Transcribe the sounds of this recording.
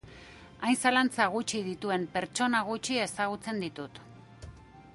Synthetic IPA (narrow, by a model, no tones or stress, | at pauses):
ajnsalant͡saɣ̞ut͡ʃið̞it̪ue̞mpe̞ɾt͡ʃo̞naɣ̞ut͡ʃie̞saɣ̞ut͡se̞nd̪it̪ut̪